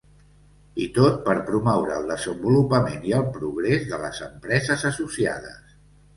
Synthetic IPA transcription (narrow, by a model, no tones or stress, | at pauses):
it̪ot̪̚pəɾpɾumɔwɾəːlˠd̪əzəmbulupəmeniəlˠpɾuɣɾezðələ̰zəmpɾɛzəzəsusia̰ð̞ə̰s